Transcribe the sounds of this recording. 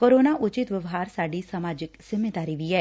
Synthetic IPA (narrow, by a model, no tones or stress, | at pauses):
koɾoːnaʔʊt͡ʃɪt̪ʋjəʋɦaːɾsaːɖisamaːd͡ʒɪksɪmed̪aːɾiʋiɛː